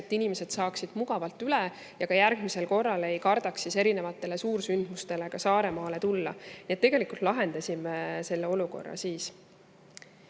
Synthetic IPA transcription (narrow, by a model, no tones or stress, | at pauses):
et̪ːˑinime̞se̞d̪̥sɑːksid̪̥muɡ̥ɑvɑlt̪ːˑyle | jɑkɑjærɡ̥mise̞lko̞rːɑle̞jkɑrd̪̥ɑksiseɾine̞vɑt̪ːˑe̞le̞suːɾsynd̪̥must̪e̞le̞kɑsɑːɾe̞mɑːle̞t̪ulːɑ̰niet̪ːe̞ɡe̞likult̪ˑlɑɦe̞nd̪̥ɑsʲimese̞lːeo̞luko̞̰rːɑ̰siːs